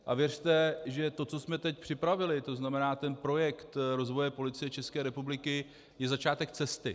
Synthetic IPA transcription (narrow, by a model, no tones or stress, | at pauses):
ʔa̰vjɛr̝t̪ɛʒɛt̪o̞t͡sosmɛt̪ɛc̚pr̥ɪpɾavɪlɪt̪o̞znamɛnaːt̪ɛnpɾo̞jɛkt̪ɾo̞zvo̞jɛpo̞lɪt͡sɪjɛt͡ʃɛskɛːɾɛpublɪkɪ | jɛzat͡ʃaːt̪ɛkt͡sɛst̪ɪ